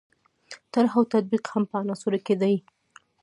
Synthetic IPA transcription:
t̪aɾɦawt̪ad̪̚biqhampəanɑsuɾaked̪aj

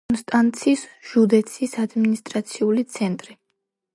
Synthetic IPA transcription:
nst̪ʼant̪sʰisʒ̥ud̪ɛt̪sʰisad̪minist̪ʼɾat̪sʰiulit̪sʰɛnt̪ʼɾi

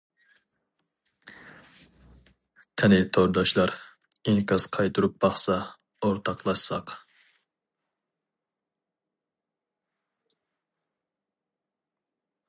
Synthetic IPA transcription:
t̪ʰɛnɪt̪ʰoɾd̪ɑʃlˠɑɾ | iŋkʲʰɑsqʰɑjt̪ʰuɾup̚b̥ɑχsɑ | oɾt̪ʰɑqlˠɑʃsɑq

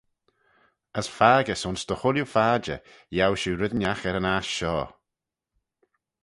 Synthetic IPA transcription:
əsfaːɡəsʊnsd̪̥əxʊljufaːd͡ʒə̰ | jawʃuːɾɪðnaxɛɾənasʃɔː

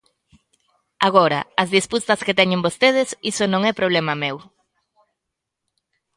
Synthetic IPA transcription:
aɣ̞oɾɐ̰ɐzðisput̪ɐsket̪ɛɲembost̪eð̞ɪsisonõŋɛpɾoβlɛmɐmew

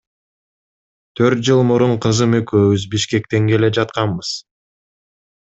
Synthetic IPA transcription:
t̪ʰø̞ɾt̪̚d͡ʒɯlˠmuɾuɴqʰɯzɯmøkøːβyzbiʃke̞k̚t̪e̞ŋke̞le̞d͡ʒɑt̪qɑmbɯz̥

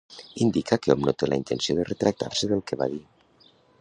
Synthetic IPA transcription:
ind̪ikakeɔmnot̪ela̰int̪ensioðeret̪ɾak̚t̪a̰ɾseðelˠkeβa̰ði

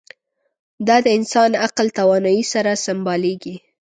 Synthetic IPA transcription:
d̪ɑd̪əɪnsɑnaqlt̪awɑnɑjisaɾasɪmbɑleɡi

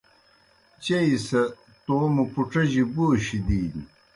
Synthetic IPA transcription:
t͡ɕɐisɐ | t̪oːmupuʈ͡ʂɐʑiboːɕid̪iːni

